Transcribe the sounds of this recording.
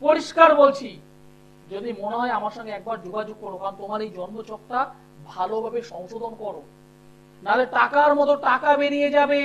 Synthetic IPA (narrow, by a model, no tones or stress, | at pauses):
poɾiʃkaɾbolt͡ɕʰi | d͡ʑod̪imoneɦɔeamaɾʃɔŋɡeɛk̚baɾd͡ʑoɡʱad͡ʑoɡ̚kɔɾokaɾont̪omaɾejd͡ʑɔnmot͡ɕɔkt̪a | bʱalobʱabeʃɔŋʃod̪ʱonkɔɾo | nad̪eɾʈakaɾmɔt̪oʈakabeɾijed͡ʑabe